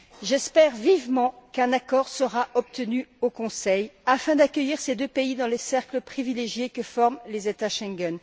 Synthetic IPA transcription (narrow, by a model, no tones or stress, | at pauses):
ʒɛspɛʁvivmɑ̃kɛ̃nakɔʁsəʁaʔɔp̚t̪ənyokɔ̃sɛjafɛ̃d̪akʲœjiʁsed̪øpeid̪ɑ̃lesɛʁkləpχivileʒjekəfɔʁmlezet̪aʃɛ̃ŋɡɛn